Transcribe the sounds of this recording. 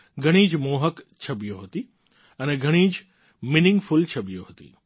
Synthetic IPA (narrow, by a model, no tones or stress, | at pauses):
ɡʱɐɽ̃iːd͡ʒmoːɦəkt͡ʃʰɐbijoɦɐt̪i | ɐnɛɡʱɐɽ̃iːd͡ʒ | mɪnɪ̃ŋɡfʊlt͡ʃʰɐbijoɦɐt̪ḭː